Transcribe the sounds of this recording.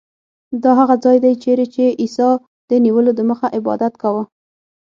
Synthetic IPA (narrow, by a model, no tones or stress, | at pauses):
d̪ɑɦaɣad͡zɑjd̪ajt͡ʃeɾet͡ʃeʔisɑ | d̪̥əniwəlod̪əməxaʔɪbɑ̰d̪at̪kawə